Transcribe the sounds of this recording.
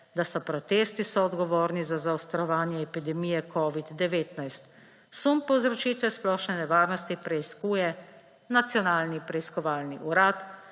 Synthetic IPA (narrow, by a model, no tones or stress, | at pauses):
d̪asɔpɾɔt̪eːst̪isɔɔd̪ɡɔʋoːɾnizazaɔst̪ɾɔʋaːnjɛːpid̪ɛmiːjɛkʰɔːʋid̪ːɛʋeːt̪najst̪ | sumpɔwzɾɔt͡ʃiːt̪ʋɛsplɔːʃnɛnɛʋaːɾnɔst̪ipɾɛiskuːjɛ | nat̪sjɔnaːlnipɾɛiskɔʋaːlniʔuɾaːt̪